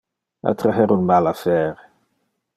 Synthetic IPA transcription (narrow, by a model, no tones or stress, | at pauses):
a̰t̪ɾaɦɛɾunmalafɛːɾe